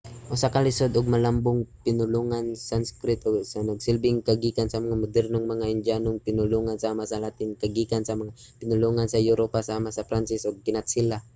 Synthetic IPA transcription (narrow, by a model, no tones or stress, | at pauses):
ʔʊsakalɪsod̪ʔʊɡ̚mɐlambʊŋpɪnʊluŋansanskɾɪt̪oɡsanɐɡsɪlbɪŋkaɡikansɐmɐŋamʊd̪ɛɾnoŋmɐŋaʔɪnd͡ʒanoŋpɪnʊluŋansamasalat̪ɪŋkaɡikansɐmaŋa | pɪnʊluŋansɐjʊɾopasamasɐpɾant͡ʃɪsʔoɡ̚kɪnat̪sila